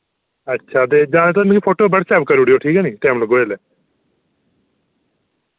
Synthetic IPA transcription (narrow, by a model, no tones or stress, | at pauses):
ətːʃʰaːt̪eːd͡ʒãːneːt̪amĩkiːpʰoːʈoːbəɽsɛːp̚kəɾuːɽijoːʈʰiːkɛːniːʈɛːmləɡoːeːlɛː